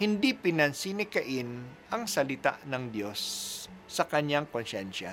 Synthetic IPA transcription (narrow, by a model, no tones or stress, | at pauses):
hɪnd̪ipɪnɐnsinɪkɐʔɪnʔɐŋsɐlɪt̪a̰ʔnɐŋd̪jo̞sː | ɐkɐɲːaŋkonʃɛnʃa̰